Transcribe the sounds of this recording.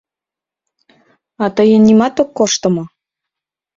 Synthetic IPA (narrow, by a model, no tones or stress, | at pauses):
ɑt̪əjənːimɑt̪okːoʃt̪ə̆mŏ